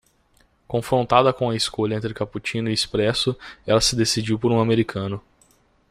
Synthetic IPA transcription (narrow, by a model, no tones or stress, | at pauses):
kõfɾõnt̪ad̪ɐkõw̃ɐɪskoʎɐẽnt̪ɾɪkaput͡ʃĩnʊɪispɾɛsʊɛlɐsɪd̪esid͡ʒiwpoɾũameɾikʰɐ̃nʊ